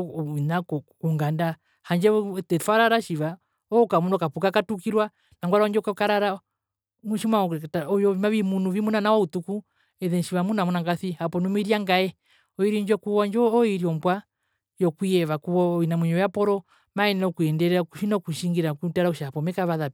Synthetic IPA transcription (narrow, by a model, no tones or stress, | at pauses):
nakɔkuŋɡanda | haɲd͡ʒɛtɛfaɾaɾaʃiʋa | ɔukamunɔkapukakatukiɾwa | naŋɡwaɾaɔɲd͡ʒɔukakaɾaɾa | muʃimataɔjɔimaʋimunuvimunanawautuku | ɛðɛnʃiʋamunamunaŋɡaθihapɔnumiɾiaŋɡaɛ | ɔiɾiɲd͡ʒɔkuɔɲd͡ʒɔːiɾiɔmbwa | jɔkuɛʋakuwɔinamwiɲɔjapɔɾɔ | maɛnɔkuɛndɛɾɛakuʃinɔkuʃiŋɡiɾakutaɾauʃapɔmɛkaβaða